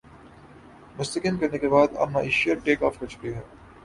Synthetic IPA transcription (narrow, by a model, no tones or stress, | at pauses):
mʊst̪ɐkɪnkɐɾnekebaːd̪ɐ̰ːnaɪʃijɐɾʈeːkɔ̰ːfkoɾt͡ʃʊ̥kiɦɛː